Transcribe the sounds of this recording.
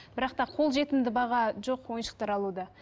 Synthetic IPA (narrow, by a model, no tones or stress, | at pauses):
b̥ɪɾɑq̚t̪ɑqʰo̞lˠʒe̞t̪ɪnd̪ɪbɑʁɑʒo̞qwo̞jənʃə̥q̚t̪ɑɾɑlˠud̪ɑ